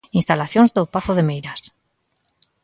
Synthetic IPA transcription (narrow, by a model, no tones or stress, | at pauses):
inst̪alaθjonzðopaθoðemejɾas